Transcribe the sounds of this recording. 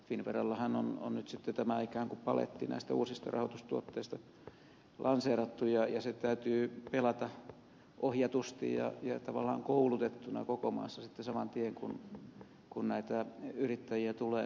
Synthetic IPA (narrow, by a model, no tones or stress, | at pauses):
finʋerɑlːɑhɑnono̰nnyt̪sit̪ːet̪æmæikæːŋkupɑlḛt̪ːḭnæ̰ist̪æuːsist̪ɑrɑ̰hot̪ust̪uot̪ːeist̪ɑ | lʔɑnseːrɑt̪ːujɑjɑset̪æyt̪yːpelɑt̪ɑ | ʔohjɑt̪ust̪ḭjjɑ̰jɑt̪ɑʋɑ̰lːˑɑ̰ːŋkoulut̪et̪ːunɑ̰kokomɑ̰ːsːɑsit̪ːesɑmɑnt̪ieŋkun | kunnæit̪æyrit̪ːæjiæt̪uleː